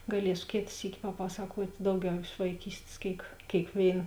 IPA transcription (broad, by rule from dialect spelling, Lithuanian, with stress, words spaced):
ɡɐˈlʲiɛsʊ ˈkʲeːt ˈsʲiːkʲɪ pɐˈpɑːsɐkuɔtʲ ˈdɐʊˌɡʲɛʊ ɪʃ ʋɐɪˈkʲiːsʲtʲeːs ˈkʲeːɪk kʲeːɪkˈʋʲeːɪn